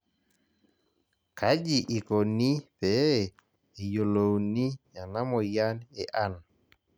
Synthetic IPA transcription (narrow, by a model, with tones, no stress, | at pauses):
ka˦d͡ʒi˨ʔi˨ko˨ni˦pɛː˨˦˨ | jo˨lo˨wni˦ja˨na˦mɔ˨ja˦ne˨ʔa˦˨n